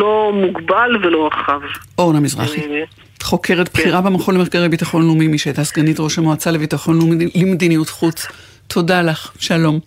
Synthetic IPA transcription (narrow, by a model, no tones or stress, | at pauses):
lomuɡbalvelo̞aχavʔonamizʁa̰χi | χo̞kʰeʁetbχiʁabemaχolemeχɡaʁejbitaχo̞nlumimiʃeetasɡanitʁoʃamoat͡salevitaχo̞nlumlimed̪inijutχut͡s | tʰo̞dalaχʃalo̞m